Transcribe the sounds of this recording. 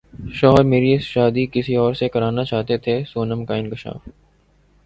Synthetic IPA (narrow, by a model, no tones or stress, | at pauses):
ʃɔːɾmeːɾiʃaːd̪ikɪsiɔːɾsekɐɾaːnat͡ʃaːɦt̪et̪ʰesoːnəmkaɪ̃nkɪʃa̰ːf